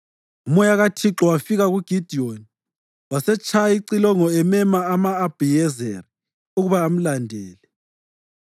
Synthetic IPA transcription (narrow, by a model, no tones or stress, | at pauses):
umɔjaɣatʰiǁɔwafiɣaɣuɡ̥ʱid̥ʱioni | wasɛt͡ʃʰaiǀilɔŋɔɛmɛmaːmaːb̥ʱijɛzɛri | uɣuβaːm̩landʱɛːlɛ